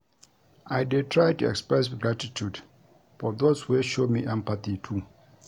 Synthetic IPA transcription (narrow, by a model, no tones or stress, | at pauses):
ajdɛtʰɹajtuɛ̰kspɹɛsɡɹatitʰud | fɔðozweʃomiʔɛ̃mpaθitʰu